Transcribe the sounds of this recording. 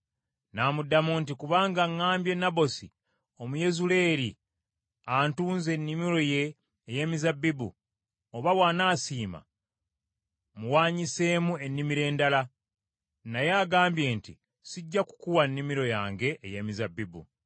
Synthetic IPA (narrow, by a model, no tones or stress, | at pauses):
naːmudːamunt̬ikuβaːŋɡaŋːaːmbje̞nabo̞sḭ | o̞muje̞zule̞ːɾi | antuːnze̞nːimiɾo̞je̞ː | je̞ːmizabːibṵ | oβawaːnaːsiːma̰ | muwaːɲise̞ːmue̞nːimiɾe̞ːndala | najaːɡaːmbje̞ːntḭ | siɟːaku̥kuwanːimiɾo̞jaːŋɡe̞ʔːjeːmizabibṵ